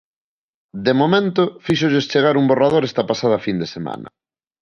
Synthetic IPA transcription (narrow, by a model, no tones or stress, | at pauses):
d̪emomẽnt̪ʊfiʃoʎest͡ʃeɣaɾumborað̞oɾɛst̪ɐpasað̞ɐfind̪esema̰nɐ̰